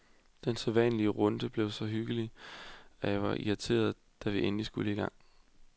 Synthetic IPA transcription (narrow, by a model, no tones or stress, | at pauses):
d̥enseʋɛ̰nəliəʁɔ̽nd̥əb̥le̝ʊsɒ̽ɦyɡ̥əli | æjɑʋɑ̈ʔḭʁɑt͡sʰe̝̰ːɐð̞ˠ | d̥æʋiʔenlisɡ̥uləiɡ̥ɑ̈ŋ̰